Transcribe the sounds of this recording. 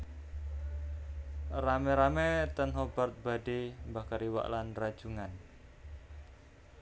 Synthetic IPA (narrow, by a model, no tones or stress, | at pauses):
ramɛɾamɛt̪ənɦob̥art̪̚b̥a̤dembakaɾiwa̰ʔlanrad̥ʒ̥uŋan